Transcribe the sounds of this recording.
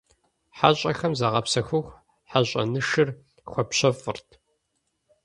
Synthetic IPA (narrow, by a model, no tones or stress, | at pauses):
ħaɕʼɐxɐmzaʁɐpsɐxʷʊxʷ | ħaɕʼɐ̰nɨʂɨr | xʷɔpɕɐfʼɨrtʰ